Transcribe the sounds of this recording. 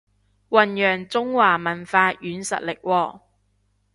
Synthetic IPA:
wɐ˨njœː˨˩ŋt͡sʊ˥ŋwaː˨˩mɐ˨˩nfaː˧jʔyː˨˧nsɐ̰˨t̚lɪ˨k̚wɔː˧

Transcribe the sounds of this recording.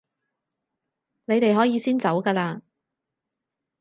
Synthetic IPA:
ne˨˧jt̪e˨jɦɔː˨˥jiː˨˧siː˥nt͡sɐ˨˥wkaː˧laː˧

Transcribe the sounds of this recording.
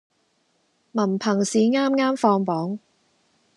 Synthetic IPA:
mɐ˨˩npʰɐ˨˩ŋsiː˨˥ŋaː˥mŋaː˥mfɔː˧ŋpɔː˨˥ŋ

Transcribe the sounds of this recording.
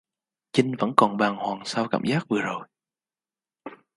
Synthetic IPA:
t͡ɕï˧ŋ̟və̰˧˥nkɔ˨˩nɓaː˨˩ŋhwaː˨˩ŋsaː˧wkaː˧˩mzaː˦˥k̚vɨ˨˩əzo˨˩j

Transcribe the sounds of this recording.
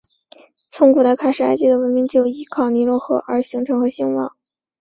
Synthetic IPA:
t͡sʰʊ˧˥ŋkʰu˨˩t͡sa˥˧ɪkʰa˥˩ɪʂɻ̩˨˩a˥ɪt͡ɕi˥˩d̪ə˩wə˧˥nmi˧˥ŋt͡ɕjo˥˩ʊi˧˥kʰɑ˨˩ʊni˧˥lwɔ˥˧xɤ̰˥˩ʔə˞˧˥ɕi˧˥ŋʈ͡ʂʰɤ˧˥ŋxɤ˧˥ɕi˥˧ŋwɑ̰˥˩˦ŋ

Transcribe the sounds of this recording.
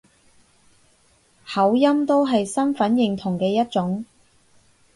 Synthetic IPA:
hɐ˨˥wjɐ˥mt̪o˥wɦɐ˨jsɐ˥nfɐ˨˥njɪ˨˩ŋt̪ʰʊ˨˩ŋkɛː˧jɐ˥t̚t͡sʊ˨˥ŋ

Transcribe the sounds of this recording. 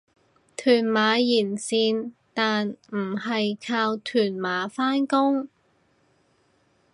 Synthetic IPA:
t̪ʰyː˨˩nmaː˨˧jiː˨˩nsiː˧nt̪aː˨nm̩˨˩hɐ˨jkʰaː˧wt̪ʰyː˨˩nmaː˨˧faː˥nkʊ˥ŋ

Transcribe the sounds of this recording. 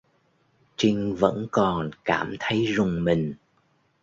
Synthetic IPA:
t͡ɕï˧ŋ̟və̰˧˥nkɔ˨˩nkaː˧˩mt̪ʰə˨˦jzʊ˨˩ŋ͡mmï˨˩ŋ̟

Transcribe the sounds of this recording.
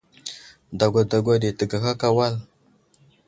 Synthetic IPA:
da˨ɡʷa˨da˨ɡʷa˨ɗe˨tə˨ɡa˨xa˦ka˦wa˦˨l

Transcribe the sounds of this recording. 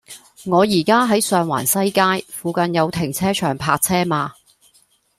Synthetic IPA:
ŋɔː˨˧jiː˨˩kaː˥ɦɐ˨˥jsœː˧ŋwa̰ː˨˩nsɐ˥jkaː˥jfuː˧kɐ˧njɐ˨˧wt̪ʰɪ˨˩ŋt͡sʰɛː˥t͡ʃʰœː˨˩ŋpʰaː˧k̚t͡sʰɛː˥maː˧

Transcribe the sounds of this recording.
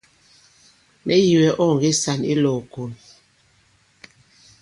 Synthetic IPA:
mʔɛ˦ji˨wɛ˨ʔɔ˦˨ŋ˨ɡi˦sa˨nḭ˦lɔː˨ko˨n

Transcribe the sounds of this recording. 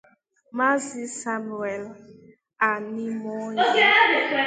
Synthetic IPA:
ma˦zi˦sa˦mu˨e˨l | a˨ni˦mɔ˦e˦˨˦

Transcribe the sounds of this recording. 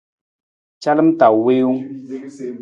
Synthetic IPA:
t͡ʃa˦lə˦m˦ta˨we˦u˦ŋ

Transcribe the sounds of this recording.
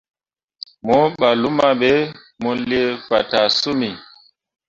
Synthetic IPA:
mɔ˦ɓa˨lu˦ma˦ɓɛ˨˦ | mɔ˨li˦e˦fa˨ta˨su˦mi˨

